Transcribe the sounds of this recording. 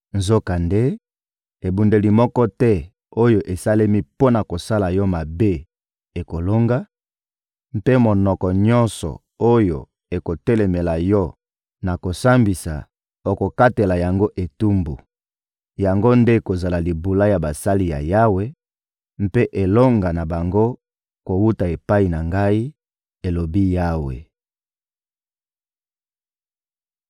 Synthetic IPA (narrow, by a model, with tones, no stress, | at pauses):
nzo˦ka˨nde˦ | e˨bu˨nde˨li˨mɔ˦kɔ˦tɛ˦ | o˦jo˨ʔe˨sa˦le˦mi˦po˦na˨ko˨sa˦la˨jɔ˦ma˨be˦ | e˨ko˨lo˦ŋɡa˦ | m˦pe˦mo˨nɔ˨kɔ˨ɲɔ˦nsɔ̰˨ | o˦jo̰˨ | e˨ko˨tɛ˦le˨me˨la˨jɔ˦ | na˨ko˨sa˦mbi˨sa̰˨ | o˨ko˨ka˦te˨la˨ja˨ŋɡo˦ʔe˨tu˦mbṵ˨ | ja˨ŋɡo˦nde˦ko˨za˨la˨li˨bu˨la˦ja˨ba˨sa˦li˨ja̰˨ja˦we˦ | m̩˦pe˦ʔe˨lo˦ŋɡa˨na˨ba˨ŋɡo˦ | ko˨wu˦ta˨e˨pa˦i˨na˨ŋɡa˦i˦ | e˨lo˨bi˦ja˦wḛ˨